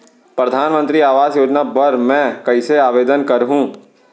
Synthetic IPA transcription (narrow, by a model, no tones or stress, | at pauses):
pɾɐd̪ʱaːnmə̃nt̪ɾiaːʋaːzjoːd͡ʒnabɐɾmɛ̃ːkɐɪseaːʋeːd̪ənkɐɾɦũː